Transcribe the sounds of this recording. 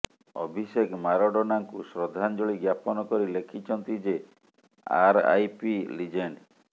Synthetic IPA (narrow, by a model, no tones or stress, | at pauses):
ɔ̰bʱisekmaɾɔɖɔnaŋkusɾɔd̪ʱand͡ʒoɭiɡjapɔnɔkɔɾilekʰit͡ʃʰɔnt̪id͡ʒe | a̰ɾa̰jpilid͡ʒeɳɖ